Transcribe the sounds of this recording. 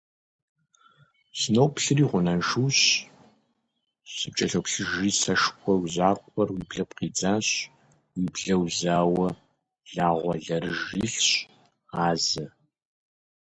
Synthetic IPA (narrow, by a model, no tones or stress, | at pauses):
snowpɬɨriːʁʷʊnɐnʃuːɕ | sɨp̚t͡ʃʼɐɬɐwpɬɨʒiːsɐʂkʷʰʼɔwʷʑaːkʷʼɔrwiːbɮɐpqiːd͡zaːɕ | wiːbɮɐwzaːwɐ | ɮaːʁʷɔɮɐɾɨʒiːɬɕ | aːzɐ